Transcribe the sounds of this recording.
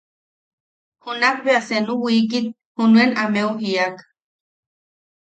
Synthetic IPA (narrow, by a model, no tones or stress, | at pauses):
hunak̚beasenuwikit̪̚ | hunuenameuɦiak